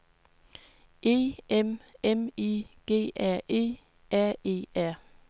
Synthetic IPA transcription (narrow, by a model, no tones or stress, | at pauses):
ʔe̝̰ːememiɡ̥e̝̰ːʔæɐ̰ʔe̝̰ː | æɐ̰e̝̰ːæɐ̰